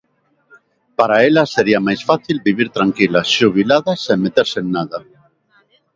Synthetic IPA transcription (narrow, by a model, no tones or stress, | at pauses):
paɾaelɐseɾiamajsfaθilbiβiɾt̪ɾaŋkilaʃuβ̞ilaðaseŋmet̪eɾsennaðɐ